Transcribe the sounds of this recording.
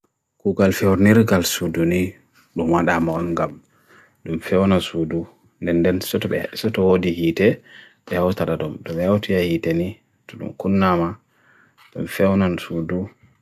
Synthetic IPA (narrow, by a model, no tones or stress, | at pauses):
kuɡalfɛwɾniɾɡalsuduni | ɗumwaɗamaɔnŋɡam | ɗumfɛwnasudu | ndɛnːdɛnsɔtɓɛsɔtɔwodihitɛ | ɓɛhawtaɗadɔmtɔɓɛawtijahiteni | tɔɗṵmkunːama | ɗṵmfɛwnansudu